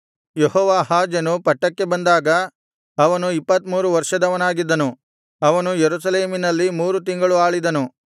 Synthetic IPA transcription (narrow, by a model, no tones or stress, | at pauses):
jehɔːʋaːɦaːd͡ʒɐnupɐʈːɐkːe̞bɐnd̪aːɡɐ | ɐʋɐnuipːɐt̪muːɾuʋɐɾʂɐd̪ɐʋɐnaːɡid̪ːɐnu | ɐʋɐnujeɾusɐleːminɐlːimuːɾut̪̬iŋɡɐɭuaːɭid̪ɐnu